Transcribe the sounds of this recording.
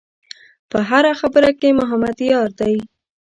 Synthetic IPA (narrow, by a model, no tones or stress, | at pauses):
pəɦaɾaxabəɾakemʊɦamad̪jɑɾd̪aj